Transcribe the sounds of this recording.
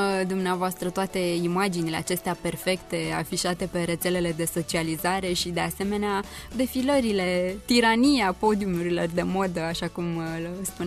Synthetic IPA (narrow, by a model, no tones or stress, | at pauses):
d̪umneavoast̪ɾət̪oat̪e̞imad͡ʒinile̞a̰t͡ʃe̞st̪eape̞rfe̞kt̪e̞a̰fiʃat̪e̞pe̞ɾe̞t̪se̞le̞le̞d̪e̞so̞t͡ʃializaɾe̞ʃid̪e̞ase̞me̞nead̪e̞filəɾile̞t̪iɾanijeapo̞d̪iumuɾilo̞rd̪e̞mo̞d̪əaʃakumlspun